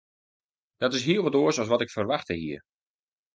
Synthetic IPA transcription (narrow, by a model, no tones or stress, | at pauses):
d̥ɔtɪsɦiəlˠʋɔtoəsɔsʋɔtɪkfərʋaxtəhiər